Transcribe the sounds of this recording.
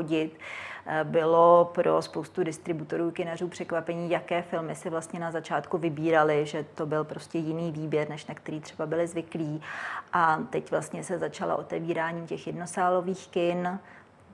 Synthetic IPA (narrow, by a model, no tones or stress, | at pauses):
oɟɪt̪ | bɪlo̞pɾo̞spowst̪udɪst̪ɾɪbut̪o̞ɾuːkɪnar̝uːpr̝̥ɛkvapɛɲiːjakɛːfɪlmɪsɪvlast̪ɲɛnazat͡ʃaːt̪kuvɪbiːɾalɪʒɛt̪o̞bɪlpɾo̞scɛjɪniːviːbjɛɾnɛʃnakt̪ɛɾiːt̪r̝̥ɛbabɪlɪzvɪkliːʔat̪ɛcvlast̪ɲɛsɛzat͡ʃala̰ʔot̪ɛviːɾaːɲiːmcɛxjɛdnosaːlo̞viːxkɪn